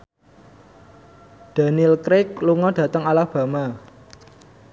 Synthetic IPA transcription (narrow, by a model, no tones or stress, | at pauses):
d̪̥a̤nilkɾɪk̚luŋɔd̥ä̤t̪əŋalahb̥ä̤ma